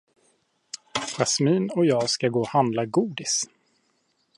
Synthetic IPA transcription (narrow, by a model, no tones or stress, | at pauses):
ɾasmiːnɔjɑːɡskaɡoːhand̪laɡuːd̪ɪs